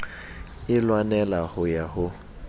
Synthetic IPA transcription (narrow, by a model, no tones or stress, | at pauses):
ɪlwanɛlahʊjahʊ